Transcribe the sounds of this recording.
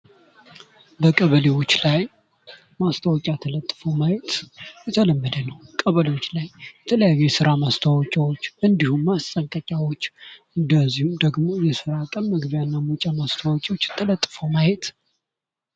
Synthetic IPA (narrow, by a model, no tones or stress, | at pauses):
bəkʼəβəlewo̞t͡ʃːlaj | mast̪ʰəwɔkʼat̪ʰələt̪ʼːɨfəwmajɛt̪jɛt̪ʰələmːəd̪ənəwkʼəβəlewot͡ʃːlajbɛt̪ʰələjajjɛsɨɾamast̪ʰawɔt͡ʃʼawot͡ʃːʔɨnd̪ihumːast̪ʼəŋkʼəkʼawot͡ʃːʔɨnd̪əzːihumd̪əɡmo̞jɛsɨɾakʼənməɡbjanːamut͡ʃʼamast̪ʰawɔkʼewot͡ʃːt̪ʰələt̪ʼːɨfəwmajet̪